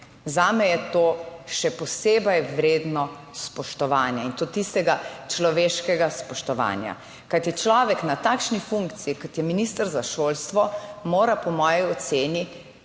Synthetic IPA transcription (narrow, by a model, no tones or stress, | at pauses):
zaːmɛjɛt̪oːʃɛpɔseːbɐjʋɾeːd̪nɔ | spɔʃt̪ɔʋaːnjɛint̪ot̪ist̪ɛɡat͡ʃlɔʋeːʃkɛɡaspɔʃt̪ɔʋa̰ːnja̰ | kajt̪jɛt͡ʃlɔːʋɛknat̪aːkʃnifuŋkt̪siikɔt̪jɛminist̪əɾzaʃolst̪ʋɔmoːɾapɔmɔːjiɔt̪seːni